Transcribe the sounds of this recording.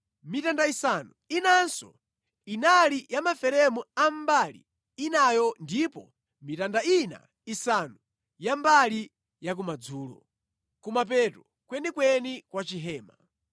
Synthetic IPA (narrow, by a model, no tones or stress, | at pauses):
mitandaisanuinansɔ̰ | inalijamafɛɾɛmuambalḭː | najɔndipɔ | mitandaina̰ | isanu | jambali | jak̬umad͡zuːlɔ̰ | kumap̬ɛtɔ | kwɛnikwɛnikwat͡ʃiɦɛːma